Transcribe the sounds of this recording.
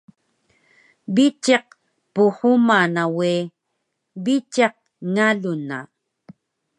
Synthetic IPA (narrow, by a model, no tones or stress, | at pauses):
bit͡ʃeq̚ | puhumanawi | βit͡ʃeq̚ | ŋaluna̰